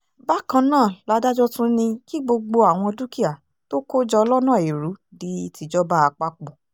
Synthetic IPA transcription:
ba˦kã˧nãː˦˨la˨˧˦da˦d͡ʒɔ˦tũ˦nĩ˧ki˦ɡ͡bo˧ɡ͡bo˧a˨w̃ɔ̃˧du˦ki˦a˨ | to˦ko˦d͡ʒɔ˧ɔ˧lɔ˦nã˦˨e˨ɾu˨˦di˦i˦ti˧d͡ʒɔ˦ba˦a˧k͡pa˦k͡po˨

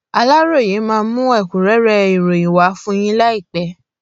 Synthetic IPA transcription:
a˧la˦ɾo˦˨je˨˦mãː˧˦mũ˦ɛ˦˨ku˨ɾɛ˨˦ɾɛ˧i˨ɾo˨ĩ˨wa˨˦fũ˦j̃ĩ˦la˦i˦˨k͡pɛ˨˦

